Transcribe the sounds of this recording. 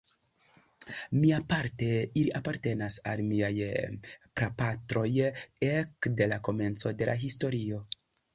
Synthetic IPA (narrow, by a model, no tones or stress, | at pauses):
miapaɾte̞iliʔapaɾte̞nasalmiaj | pɾapatɾo̞jekde̞lako̞me̞nt͡so̞de̞lʔa̰ɦisto̞ɾio̞